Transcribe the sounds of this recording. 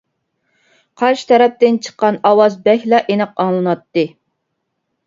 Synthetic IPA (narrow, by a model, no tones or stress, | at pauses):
qʰɑɾʃɨ̥t̪ʰɛɾɛp̚t̪ɪnt͡ʃʰə̥qːɑnɑwɑzbɛçʲlɑʔenɛqɑŋlˠɨnɑt̪ːɨ